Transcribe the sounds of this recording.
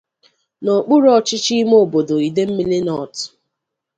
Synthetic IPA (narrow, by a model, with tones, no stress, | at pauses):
nɔ˨k͡pʊ˦ɾɔ˦t͡ʃɪ˦t͡ʃi˦m˦o˦˨bo˨do˨i˨de˦m̩˦mi˦li˦nɔ˨t